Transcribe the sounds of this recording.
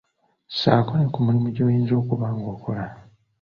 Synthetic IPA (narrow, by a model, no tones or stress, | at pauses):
sa̰konekumulimuɟo̞ːjiːnzo̞ːkuβaŋɡo̞kʰola